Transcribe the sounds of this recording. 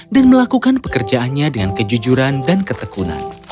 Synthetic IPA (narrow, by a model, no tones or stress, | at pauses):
danməlakukanpəkərd͡ʒaanɲadəŋankəd͡ʒud͡ʒuɾandankət̪əkuna̰n